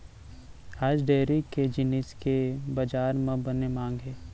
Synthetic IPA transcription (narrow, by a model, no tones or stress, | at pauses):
aːd͡ʒɖeːɾiked͡ʒɪnɪskebɐd͡ʒaːɾmẽbɐnemãːŋɡɦeː